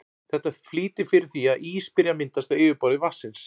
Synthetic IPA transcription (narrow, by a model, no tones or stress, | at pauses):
θɛht̪afliːt̪ɪfɪɾɪɾ̥θiaðʔiːspɪɾjamɪnt̪ast̪aɪːvɪpɔːɾðɪvasːɪns